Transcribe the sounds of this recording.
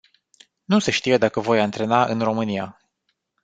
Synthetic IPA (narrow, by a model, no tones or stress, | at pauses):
nuseʃt̪ijed̪akəvo̞jant̪ɾe̞naʔɨ̰nro̞mɨnia